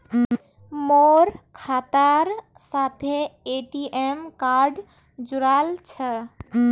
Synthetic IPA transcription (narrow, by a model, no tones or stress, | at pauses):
moɾkʰat̪aɾsat̪ʰeeʈiʔemkaɾɖ | d͡ʒuɾalt͡ʃʰə